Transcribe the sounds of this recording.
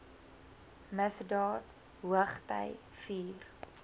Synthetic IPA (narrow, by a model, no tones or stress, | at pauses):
məsdɑːt | ɦuəχtə̰j | fiːr